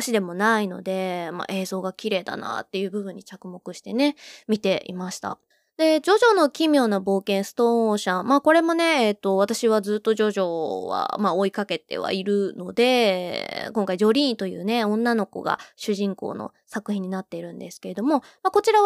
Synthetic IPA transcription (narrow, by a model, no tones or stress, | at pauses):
ɕid̪e̞mo̞naino̞̰d̪e̞ma̰ʔe̞ːzo̞ːɡakʲiɾe̞ːd̪a̰na̰t̪ːe̞jɯ̟ːbɯ̟bɯ̟ɲ̟ːit͡ɕakɯ̟mo̞kɯ̟ɕi̥t̪e̞ne̞mʲit̪e̞ḭmaɕi̥t̪a̰ | d̪̥e̞d͡ʑo̞ʑo̞no̞kʲimʲjo̞ːnabo̞ːkẽɰ̃sɨ̥t̪ooɕãmaːko̞ɾe̞mo̞ne̞ːt̪ːo̞βat̪aɕiβad͡zɨːt̪ːo̞ʑoʑo̞ːβa̰mao̞ikake̞t̪e̞̰βa̰iɾɯ̟no̞d̪e̞ | kõ̞ŋkaiʑo̞ɾʲĩːnt̪o̞jɯ̟̰ːne̞õ̞nːano̞ko̞̰ɡa̰ɕɨʑĩŋko̰ːno̞̰ | sakɯ̟çʲĩɲ̟inat̪ːe̞iɾɯ̟̃nd̪e̞sɨ̥ke̞ɾe̞d̪o̞mo̞ | mako̞t͡ɕiɾa